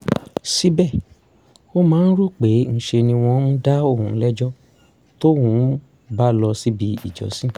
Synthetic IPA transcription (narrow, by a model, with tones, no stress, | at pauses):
si˦bɛ˦˨ | o˦mãː˨˦n̩˦ɾu˦˨k͡pe˨˦n̩˨ʃe˧nĩ˧w̃ɔ̃˧˦mũ˦da˦o˦˨hũ˨˦lɛ˦d͡ʒɔ˦ | to˦hũ˨˦ | ba˦lɔ˧si˦bi˧ḭ˨d͡ʒɔ̰˨˦sĩ˦